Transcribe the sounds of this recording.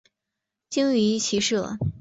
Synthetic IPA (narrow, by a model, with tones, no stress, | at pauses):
t͡ɕi˥ŋy˧˥t͡ɕʰi˧˥ʂɤ˥˩